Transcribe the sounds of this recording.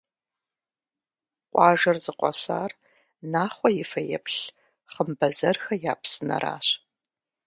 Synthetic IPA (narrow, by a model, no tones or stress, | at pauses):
qʷʼɑːʒɐrzɨqʷɔ̰sa̰ːr | naːχʷɔjɪfɐjɛ̰pɬ | χəmbɐzɐrxɐjaːpsɨnɐ̰ɾa̰ːɕ